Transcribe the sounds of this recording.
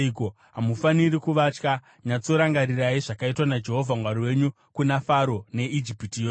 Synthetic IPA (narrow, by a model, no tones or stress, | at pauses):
ko | ɦamufanirikuʋat͡ʃka | ɲat͡so̞ɾaŋɡaɾiraiʐakaitwanad͡ʒe̞ɦo̞vʱamwaɾiwe̞ɲu | kunafaɾo̞ne̞id͡ʒipitijoː